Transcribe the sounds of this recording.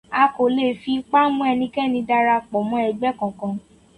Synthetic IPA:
a˧ko˨le˨fi˧k͡pa˦mũ˦ɛ˧nĩ˧kɛ˦nĩ˧da˧ɾa˧k͡pɔ˨mɔ̃˨˧˦ɛ˧ɡ͡bɛ˦kɔ̃˨kã˧

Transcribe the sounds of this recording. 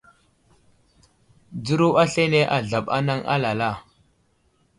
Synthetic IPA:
d͡zu˦ɾu˦a˦ɬe˦ne˦ʔa˨ɮa˨ɓa̰˦na˦ŋa̰˦la˨la˦˨

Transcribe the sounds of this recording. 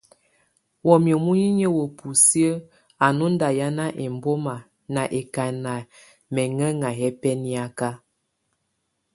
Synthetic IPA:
wɔ˨mjə˨mu˦ji˦ɲə˦wə˨pʰu˨si˦ə˦ | a˨nu˦n˦da˨ja˦na˦ʔe˨m˦bo˦ma˨ | na˨ʔe˨ka˨na˨ | mɛ˨ŋə˦ŋa˨ɦɛ˦pɛ˦ni˦a˦ka˦

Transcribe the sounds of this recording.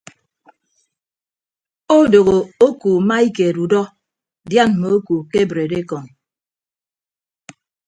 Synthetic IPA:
o˦do˨ɣo˨o˦ku˨ma˦i˦ke˨ɾu˨dɔ˦ | dja˦˨n˨mo˨o˦ku˨ke˦bɾe˨de˦kɔ˨n

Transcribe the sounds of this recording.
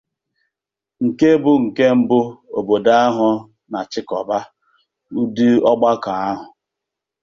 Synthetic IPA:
ŋ̩˨ke˦bʊ˦ŋ̩˨ke˦m̩˦bʊ˦o̰˨bo˨da˦a˦ɦʊ˨ | na˨t͡ʃɪ˦kɔ˨ba˦ | u˦di˦ɔ˦ɡ͡ba˦ka˨a˦ɦʊ˨

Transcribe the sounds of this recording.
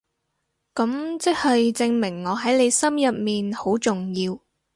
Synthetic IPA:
kɐ˨˥mt͡sɪ˥k̚hɐ˨jt͡sɪ˧ŋmɪ˨˩ŋːɔː˨˧ɦɐ˨˥jle˨˧jsɐ˥mjɐ˨p̚miː˨nho˨˥wt͡sʊ˨ŋjiː˧w

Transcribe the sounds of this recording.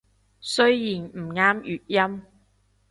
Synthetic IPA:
sɵ˥ɥjiː˨˩nm̩˨˩ŋaː˥mjyː˨t̚jɐ˥m

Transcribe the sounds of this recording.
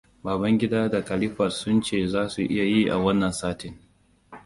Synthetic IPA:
baː˨bɐ˦ŋɡʲɪ˦daː˦da˨kɐ˨lɪ˦ɸɐ˨rsʊ˦nt͡ʃeː˦˨zaː˦su˨ʔɪ̰˦ja˨ji˦ʔa̰˨wɐ˦nːɐ˨nsaː˦tɪ˨ŋ

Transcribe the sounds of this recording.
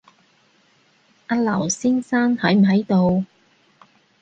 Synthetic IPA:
ʔɐ˧˥t̚lɐ˨˩wsɪ˥ŋsaː˥nhɐ˨˥jm̩˨˩ɦɐ˨˥jt̪o˨w

